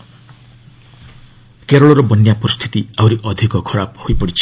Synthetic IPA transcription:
keɾɔɭɔɾɔbʌnjapɔɾist̪ʰi̥t̪iawɾiʔʌd̪ʱikɔkʰʌɾab̚hojpʌɽit͡ʃʰi̥

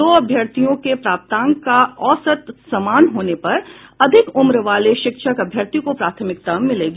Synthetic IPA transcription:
d̪oːɐbʱjɐɾt̪ijõkepɾaːp̚t̪ãːŋkaɔːsət̪sɐmaːnɦoːnepɐɾɐd̪ʱɪkʊmɾəʋaːleʃɪkʃəkɐbʱjəɾt̪ikopɾaːt̪ʰəmɪk̚t̪ɐmːɪleːɡaː

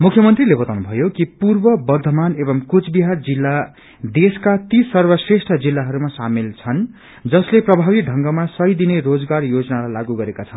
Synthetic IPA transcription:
mukʰːjʌmʌnt̪rilebʌt̪awnubʱʌjokipurbʌbʌrd̪ʱʌmanebʌmkut͡sbiɦard͡zilːa | d̪eskat̪isʌrbʌsresʈʰʌd͡zilːaɦʌɾumasamilt͡sʰʌn | d͡zʌsleprʌbʱabiɖʱʌŋɡʌmasʌjd̪inerod͡zɡarjod͡zʌnalajlaɡuɡʌɾekat͡sʰʌn

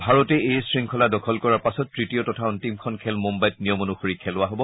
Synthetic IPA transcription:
bʱaɹɔtɛejsɹiŋkʰɔladɔkʰɔlkɔɹapasɔtːɹitiɔtɔtʰauntimkʰɔnkʰɛlmumbajt̚nijɔmonuxoɹikʰɛlʊwaɦobɔ

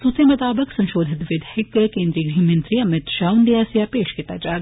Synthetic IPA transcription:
sut̪ɐmɐt̪aːbɐksɐ̃nʃoːd̪ʱit̪ʋɪd̪ʱhɪkkeːnd̪ɾiːɡɾimɐnt̪ɾiːɐmɪt̪ʃaːwund̪ijaːsjaːpeːʃkɪt̪aːd͡ʒaːɾ

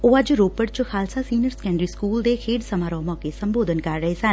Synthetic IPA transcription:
oːəd͡ʒɾoːpəɽt͡ʃxʰaːlsaːsiːnəɾsə̥kɛ̃ːɳɖɾiːskuːld̪eːkʰeːɽsəmaːɾɔːmɔːkeːsəmboːd̪ənkəɾːəɦeːsən

